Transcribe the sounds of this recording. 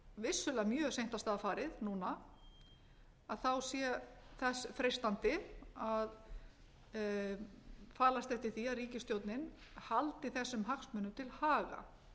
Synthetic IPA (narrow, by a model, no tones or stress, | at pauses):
vɪsːʏlɛamjœːsejn̥t̪ast̪aːðafaːɾɪðnuːna | aðθawsjɛθasfɾejst̪ant̪ɪað | faːlast̪ɛft̪ɪɾ̥θiaðriːcɪst̪jowt̪nɪn | halt̪ɪθɛsːʏmɦaksmʏːnʏmt̪ʰɪlhaːɣa̰